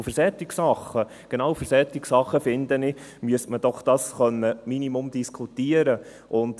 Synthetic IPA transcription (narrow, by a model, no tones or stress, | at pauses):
fəɾsɛt̪ːiksɑχːə | ɡ̥enɑːwfəɾsɛt̪ːiksɑχːəfɪnd̪ənɪmyəstməd̥ɔχd̥̪ɑːsχœnːəminimʊmd̪iskʰut̪iəɾə | ʔʊnt̪